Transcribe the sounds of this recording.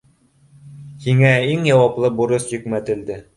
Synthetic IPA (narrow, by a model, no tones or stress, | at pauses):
hiŋæiŋjɑwɑplˠɤbuɾɤsjɘ̆kmæt̪ɘ̆ld̪ɘ